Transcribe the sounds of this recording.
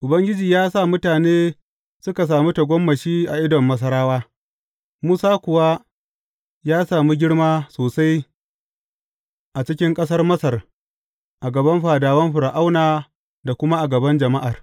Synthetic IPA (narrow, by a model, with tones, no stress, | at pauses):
ʔʊ˨bɐ˦ŋɡʲɪ˦d͡ʒiː˨jaː˦sa˦˨mʊ˦taː˨neː˦ | sʊ˦ka˨s̬aː˨miː˦tɐ˨ɡʷɔ˦mːɐ˨ʃiː˦ʔa˨ʔɪ˦dɔ˨mːɐ˦s̬ɐ˦ɽaː˦waː˦ | muː˦saː˦kʷʊ˨wa˦ | jaː˦saː˨mi˦ɡʲɪ˦ɽmaː˦soː˨sa˦j | ʔa˨t͡ʃɪ˦kʲɪ˦ŋkʼɐ˦s̬ɐ˦rmɐ˦sɐ˨r | ʔa˨ɡɐ˨bɐ˦mɸaː˨daː˨wɐ˦mɸʊ˨ɾa˨ʔa˦wnaː˨ | da˨kʷʊ˦ma˦ʔa˨ɡɐ˨bɐ˦nd͡ʒɐ˨ma˦ʔa˨r